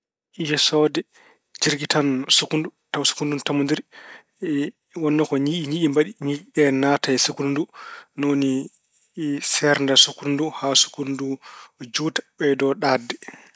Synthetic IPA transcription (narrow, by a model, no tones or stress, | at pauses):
ʔijɛsɔdɛ | d͡ʒiɾɡitʰansukundutasu̥kunduntamundiɾ | wɔnːɔkɔɲiʔiɲiɗimbaɗiɲiɗɛnataɛsukundunoni | sɛɾndasukunduhasu̥kundud͡ʒuːtḁɓɛdɔɗadːɛ